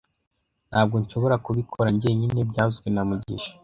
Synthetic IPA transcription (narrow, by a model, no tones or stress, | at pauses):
n̥haːb̚ɡo̞ɲʃo̞βo̞ɾakuβikʰo̞ɾaɲɟieɲine̞bɟaːzɡwenamuɟḭʃḁ